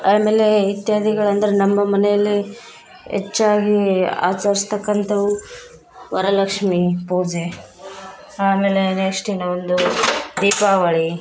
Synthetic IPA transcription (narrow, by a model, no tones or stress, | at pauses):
aːme̞ːleit̪jaːd̪ʱiɡɐɭɐnd̪ɐɾenɐmːɐmɐnejɐlːi | ḛt͡ʃːaːɡia̰ːt͡ʃaːɾist̪ɐkːɐnt̪ɐʋu | ʋɐɾɐlɐkʂmipoːd͡ʒe | aːme̞ːlenɐʂʈinɐond̪ud̪iːpaːʋɐɭi